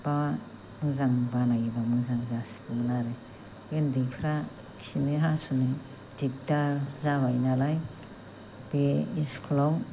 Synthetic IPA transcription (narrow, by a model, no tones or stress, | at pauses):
b̥a | mɯzaŋbalaɡibamɯŋzaŋzasi̥bulaɾe | jendipʰɾa | kʰi̥simiɦasune | dik̚taɾzawajnalaj | b̥eiskʰlaw